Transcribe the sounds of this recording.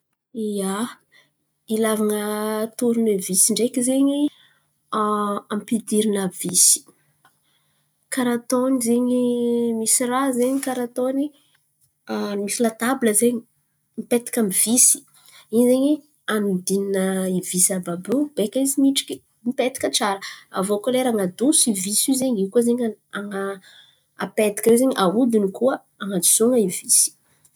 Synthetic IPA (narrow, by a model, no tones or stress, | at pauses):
ia | ilavaŋət̪uɾunevisiɳɖ͡ʐekizeɲi | ampid̪iɾinavisi̥ | kaɾat̪onizeɲimisirazeɲikaɾat̪oni | misilat̪abləzeɲi̥ | mipet̪i̥kʲamivisi̥ | izeɲi | and̪ininəivisababub̥ekʲaizimiʈ͡ʂi̥kʲi | miped̪i̥kʲət͡saɾəa̰vokoleɾaŋad̪usivisuzeɲikuzeɲaaŋa | a̰pet̪i̥kʲawezeɲiʔaud̪inikuə | aŋad͡ʒu̥soŋaivisi̥